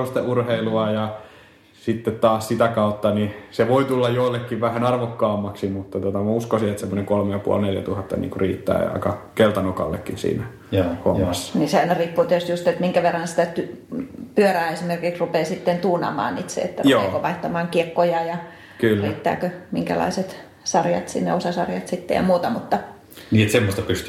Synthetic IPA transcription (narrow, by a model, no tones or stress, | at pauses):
ust̪eʔurheiluɑjɑ | sit̪ːet̪t̪ɑːssit̪ækɑut̪ːɑniseʋoit̪ulːɑjjoilːekːiʋʋæhænɑrʋokːɑːmːɑksimut̪ːɑt̪ot̪ɑmæuskosiet̪semːoneŋkolmejɑpṵɑ̰lneljæ̰t̪uhɑt̪ːɑ̰nḭːŋkuriːt̪ːæ̰ːɑ̰ikɑkelt̪ɑnokɑ̰lːḛkːinsḭːnæ | ho̰mːɑsːɑ̥niseæinɑriːpːuːt̪iæyst̪just̪et̪miŋkæʋerːɑnsi̥t̪æt̪ypyøræːesimerkiksrupeːsit̪ːent̪uːnɑ̰ːmɑ̰ːnniːt̪sḛḛt̪ːærjoeːkoʋɑiht̪ɑmɑːŋkiekːojɑjɑ | kylːræːt̪ːæ̰ːkømiŋkæ̰lɑ̰iset̪ | sɑrjɑ̰t̪sḭnːḛosɑsɑrjɑt̪sit̪ːḛjɑ̰muːt̪ɑmut̪ːɑ | niːet̪semːost̪ɑpyst̪y